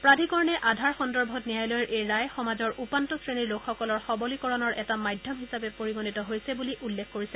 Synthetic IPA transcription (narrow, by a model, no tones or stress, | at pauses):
pɹadʱikɔɹnɛʔadʱaɹxɔndɔɹbʱɔtnijajlɔjɹʔejɹajxɔmazɔɹʔupantɔsɹeniɹlokʰxɔkɔlɔɹxɔbɔlikɔɹɔnɔɹʔɛtamajdʱjɔmɦisapɛpoɹiɡonitɔɦojsɛbuliʔulːekkːoɹisɛ